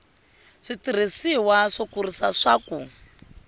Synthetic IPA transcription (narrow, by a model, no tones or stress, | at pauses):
ʂitiɾ̤isiwaʂɔkurisaʂaːku